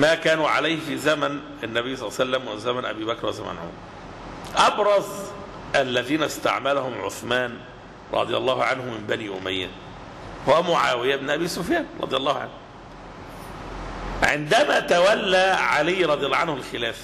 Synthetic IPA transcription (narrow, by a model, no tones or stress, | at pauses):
mæːkæːnuːʕa̰lajhfizæmæn | ɪnːæbɪjːsˤɑlˤːsælːæmwɪzæmænʔæ̰biːbækɾˤwæza̰mæ̰nʕo̰mɾˤ | ʔɑbɾˤɑz | ʔælːæðiːnæst̪a̰ʕmælahʊmʕo̰θmæːn | ɾˤɑ̰d̪ˤɨjɑlˤːɑːhʕanhʊmɪmbæniːʔʊ̰mæjːæ̰ | howæmʊʕa̰ːwɪjæbnʔæbiːsʊfjæːnɾˤɑ̰d̪ˤɨjɑlˤːɑːhʕa̰nh | ʕɪ̰nd̪æmæt̪æwælːæʕalɪjːɾˤɑd̪ˤɨjɑlːʕanhʊlxɪlæːf